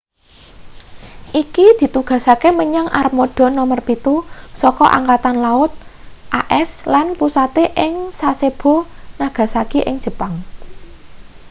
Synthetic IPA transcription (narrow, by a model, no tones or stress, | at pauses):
ʔikid̪̥i̤t̪uɡ̥ä̤sakeməɲaŋʔarmoɖ̥ɔ̤nɔmərpit̪usɔkɔʔa̰ŋkat̪anlaʊt̪̚ʔaʔɛslanpusat̪eʔɪŋsaseb̥o̤naɡ̥ä̤sakiʔɪ̰ŋdd͡ʒʒ̥ə̤paŋ